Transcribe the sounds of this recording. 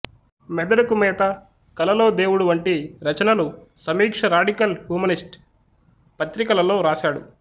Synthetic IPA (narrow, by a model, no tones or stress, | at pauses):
mɛd̪ɐɽɐkumɛːt̪ɐ | kɐlɐlo̞ːd̪eːwuɽuʋɐɳʈiɾɐt͡ʃɐnɐlusɐmiːkʂɐɾaːɖikɐlhjuːmɐnisʈ | pɐt̪ɾikɐlɐlo̞ːɾaːʃaːɽṵ